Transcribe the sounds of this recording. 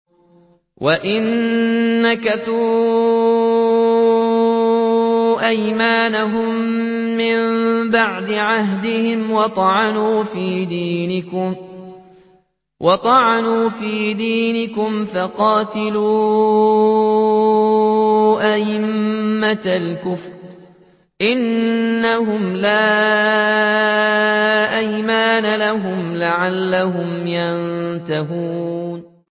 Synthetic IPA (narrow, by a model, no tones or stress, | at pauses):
wʔaʔɪnː | akaθuː | ʔajmaːnaɦʊmːɪmbaʕd̪ɪʕaɦd̪ɪhɪmwɑt̪ˤɑʕɑnuːfiːd̪iːnɪkʊm | wʔɑt̪ˤɑʕanuːfiːd̪iːnɪkʊmfɑqɑːt̪ɪluː | ʔaʔɪmːalkʊfɾ | ʔɪnːaɦʊmlaː | ʔajmaːnalaɦʊmlaʕalːaɦʊmjant̪aɦuːn